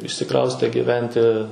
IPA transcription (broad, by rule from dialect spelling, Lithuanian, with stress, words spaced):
ɪʃʲsʲɪˈkrɐʊsʲtʲeː ɡʲɪˈʋʲɛnʲtʲɪ